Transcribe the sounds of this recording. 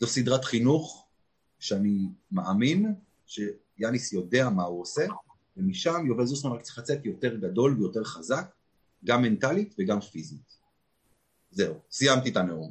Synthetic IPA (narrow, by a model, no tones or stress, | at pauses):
zosidʁat̪χinuχ | ʃeanimaamin | ʃe̞ | janisjo̞deamauose̞ | vemiʃamjovezusmanʁakt͡si̥χlat͡se̞tjo̞te̞ʁɡado̞lvejo̞te̞ʁχazak̚ | ɡamːe̞ntalitveɡamfizit̪ | ze̞usijamtitaneum